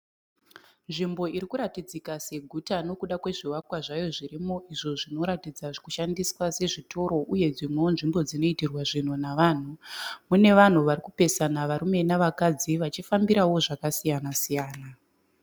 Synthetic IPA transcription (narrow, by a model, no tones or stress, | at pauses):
nʐimbo̞iɾikuɾatid͡zikase̞ɡʱutano̞kuɗakwe̞ʐiwakwaʐajo̞ʐirimo̞ʔiʐo̞ʐino̞ɾatid͡zaʐkuʃandiswase̞ʐitʰo̞ɾo̞ʔuje̞d͡zimwe̞onʐimbo̞d͡zino̞itirwaʐin̤unaʋaːn̤umune̞ʋan̤uʋarikupe̞sanaʋaɾume̞naʋakad͡ziʋat͡ʃifambiɾawo̞ʐakasijanasijaːna